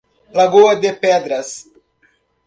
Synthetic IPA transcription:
laɡoɐd̪epɛd̪ɾɐs

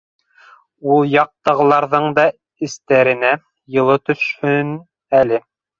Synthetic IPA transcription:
ulˠjɑq̚t̪ɤ̆ʁɤ̆lˠɑɾðɤɴd̪ɑ | ɘ̆st̪æɾɘ̆næ | jɤ̆lˠɤt̪ɵ̆ʃhɵn | ælɘ

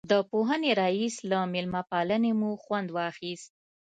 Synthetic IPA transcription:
d̪əpoɦəneɾɑislamɪlmapɑlənemuxwand̪wɑxist̪̚

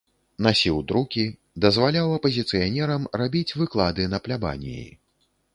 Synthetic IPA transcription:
nasʲiwd̪ɾukʲi | d̪ɐzvalʲawɐpɐzʲit̪sɨjanʲɛɾɐmrabʲit͡sʲvɨklˠad̪ɨnɐplʲaba̰nʲḭjḭ

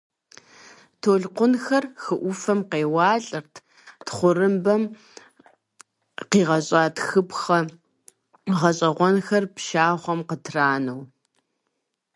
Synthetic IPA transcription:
tʰoːɮqʷʊnxɐrxɨʔʷʊfɐmqeːwɑːɬʼɨrtʰ | tχʷʊrɨmbɐm | qiːʁɐɕʼaːtxɨpxɐ | ʁɐɕʼɐʁʷɔnxɐrpʃaːʁʷɔmqətʰraːnɐw

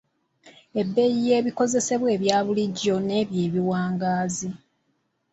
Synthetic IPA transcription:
e̞bːe̞jije̞ːβiko̞ze̞se̞βwe̞ːβjaːβuliɟːo̞ne̞ːβjeːβiwaːŋɡaːzi

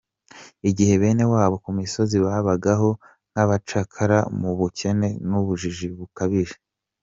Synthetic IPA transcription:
iɟihe̞βe̞ːne̞waːβo̞kumiso̞ziβaβaɡaɦo̞ | n̥haβat͡ʃakʰaɾamuβuce̞ne̞nuβuʒiʒiβukaβiʒe

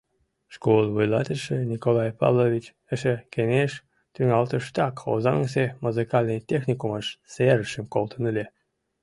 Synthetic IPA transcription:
ʃkolənβujlɑ̰t̪əʃə̆nʲikolˠɑjpɑ̰βlˠovʲit͡ɕ | əʃekeneʃ | t̪yŋɑlt̪əʃt̪ɑko̰zɑnsemuzɨkɑlʲnəjt̪ʲexnʲikuməʃseɾəʃəmkolt̪ə̆nəlʲe

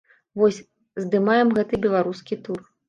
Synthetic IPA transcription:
vɔsʲ | zd̪ɨmajɛmɣɛt̪ɨbʲɛlˠaɾuskʲit̪ur

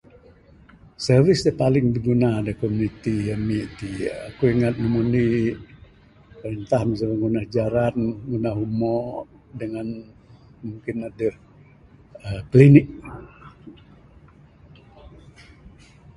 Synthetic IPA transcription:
sərvisd̪əpalɪŋbəɡunaːdəhkomunit̪ijamiʔt̪iakuiŋat̪̚nəmuni | pəɾənt̪ahməs̬akaŋɡunahd͡ʒaɾanɡunaɦumɔ | dəŋan | muŋkɪnadəh | əplinɪk̚

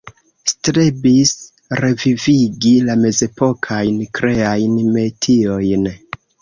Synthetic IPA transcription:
stɾebis | ɾe̞viviɡilame̞ze̞po̞kʰajnkɾe̞ajnme̞tʰio̞jn

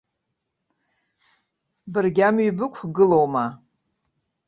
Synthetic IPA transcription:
bɨrɡʲamɥibɨkʷʰɡɨlowma

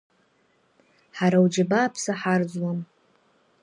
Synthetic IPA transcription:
ħaɾawd͡ʒabaːpʰsaħard͡zwam

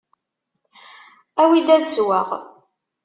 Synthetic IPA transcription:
æwid̪æðswaʁ

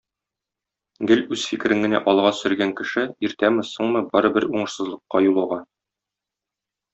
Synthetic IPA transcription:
ɡɘlʉz̥fikɘ̆ɾɘŋɡɘ̆næ̰ʔɒlˠʁɑsɵ̆ɾɡæŋkɘ̆ʃɘiɾt̪æmɘ̆soɴmɤbɒɾɤ̆bɘɾuɴɤ̆ʃsɤ̆zlˠɤ̆qːɑjulˠɑʁɑ

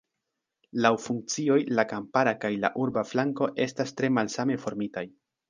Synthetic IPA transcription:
lawfuŋk̚t͡sio̞jlakampaɾakajla̰ʔuɾbaflaŋko̞ʔe̞stastɾe̞malsame̞fo̞ɾmitaj

